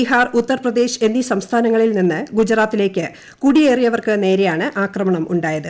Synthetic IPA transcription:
iɦaːrut̪ːɐrprɐd̪e̞ːɕe̞nːisɐmst̪ʰaːnɐŋːɐɭilninːɨɡud͡ʑɾaːt̪ːile̞ːkːɨ | kuɽije̞ːrijɐʋɐrkɨne̞ːɾejaːɳɨʔaːkrɐmɐɳɐmʔuɳɖaːjɐðɨ

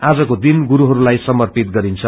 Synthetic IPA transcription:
ad͡zʌkod̪inɡuɾuɦʌɾulajsʌmʌrpit̪ɡʌɾint͡sʰʌ

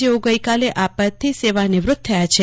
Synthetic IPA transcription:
d͡ʒeoɡəjkaleʔapət̪ʰːiseʋanɪʋɾʊt̪̚t̪ʰːəjat͡ʃʰe

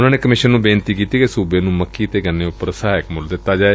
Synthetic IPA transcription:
ʊnãːneːkəmɪʃənːũːbeːnt̪iːkiːt̪iːkesuːbeːnũːməkʰːiːt̪eːɡənːeːʊpəɾəsaːɪkmʊld̪ɪt̪ːaːd͡ʒaːe

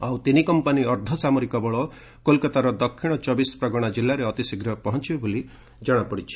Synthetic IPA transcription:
awt̪inikɔmpaniɔɾd̪ʱɔsamɔɾikɔbɔɭɔ | kolkat̪aɾɔd̪ɔkʰːiɽ̃ɔt͡ʃɔbispɾɔɡɔɽ̃ad͡ʒilːaɾeɔt̪isiɡɾɔpɔɦɔnt͡ʃibeboli | d͡ʒɔɽ̃apɔɽit͡ʃʰi̥

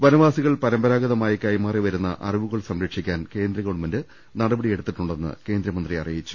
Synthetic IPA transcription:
ʋɐnɐʋaːsiɣɐɭpɐɾɐmbɐɾaːɡɐðɐmaːjikɐjmaːriʋɐɾunːɐ̰ʔɐ̰riʋuɣɐɭsɐmɾɐkʂikʲːaːnke̞ːnd̪ɾɐɣɐɭumɐndɨ | nɐɽɐbɐɽije̞ɽut̪ːiʈːuɳɖe̞nːɨ̰ke̞ːnd̪ɾɐmɐnd̪riɐ̰rijit͡ɕːu̥

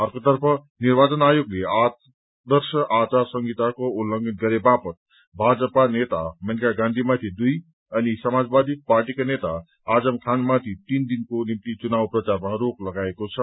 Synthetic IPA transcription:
ʌrkot̪ʌrpʰʌ | nirbat͡sʌnajoɡleat̪ | d̪ʌrsʌʔat͡sasʌŋɡit̪akoulːʌŋɡʱʌnɡʌɾebapʌt̪̚ | bʱad͡zʌpanet̪a̰mʌnkaɡãnd̪ʱimat̪ʰid̪uj | ʌnisʌmad͡zbad̪iparʈikanet̪a | ad͡zʌmkʰanmat̪ʰit̪ind̪inkonimt̪it͡sunawprʌt͡sarmaɾoklʌɡaekot͡sʰʌ

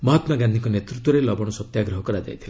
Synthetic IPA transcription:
mɔɦɔt̪maɡand̪ikɔnet̪ɾut̪ːwɔɾelɔbɔɽ̃ɔsɔt̪jaɡɾɔɦɔkɔɾad͡ʒa̰jt̪ʰila

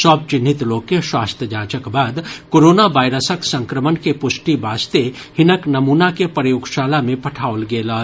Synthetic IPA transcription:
sɔːb̚t͡ʃɪnːɪt̪loːkeʃwaːst̪ʰjəd͡ʒaːt͡ʃəkbaːd̪koːɾoːnaʋaːɪɾəsəksə̃ŋkɾəmənkepʊʃʈibaːst̪e | hɪnəknɐmuːnakepəɾjoːɡʃaːlamẽpɐʈʰaːolɡeːlaː

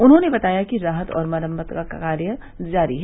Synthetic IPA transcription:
ʊnɦõːnebɐt̪aːjakiɾaːɦət̪ɔ̰ːɾmɐɾəmbət̪kakkaːɾjə | d͡ʒaːɾiɦɛ

